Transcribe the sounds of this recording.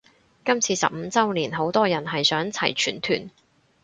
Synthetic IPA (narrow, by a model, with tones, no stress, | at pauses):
kɐ˥mt͡sʰiː˧sɐ̰˨p̚m̩˨˧t͡sɐ˥wliː˨˩nɦo˨˥wt̪ɔː˥jɐ˨˩nɦɐ˨jsœː˨˥ŋt͡sʰɐ̰˨˩jt͡ʃʰyː˨˩nt̪ʰy̰ː˨˩n